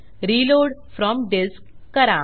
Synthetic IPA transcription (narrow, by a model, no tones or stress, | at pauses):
ɾiloɽfɾɔmɖeskːəɾa